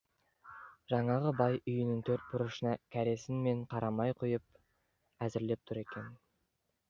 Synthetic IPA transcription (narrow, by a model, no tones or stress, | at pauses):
ʒɑɴɑʁəbɑjʏjɪnɪŋt̪ʰɵɾt̪̚bʊɾəʃənɑkʲʰæɾe̞sɪnme̞ɴqʰɑɾɑmɑjqʰojəp̚ | æzɪɾle̞p̚t̪ʰʊɾe̞kʲe̞n